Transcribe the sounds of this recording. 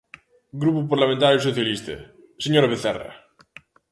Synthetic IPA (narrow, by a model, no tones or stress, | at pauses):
ɡɾupupaɾlamẽnt̪aɾjosoθjalist̪a̰ | seɲoɾaβeθɛ̰ra̰